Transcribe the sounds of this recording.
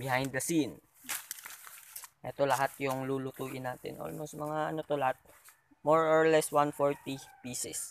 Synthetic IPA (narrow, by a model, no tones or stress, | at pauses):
bɪhajnd̪ːɐsin | ʔɛt̪o̞lɐɦat̪̚jʊŋlulʊt̪uːʔɪnaːt̪ɛ̰nʔo̰lmosmɐŋaʔɐnot̪olɐhat̪̚ | moɹɔɹlɛswanfoɹt̪ipiːsɪs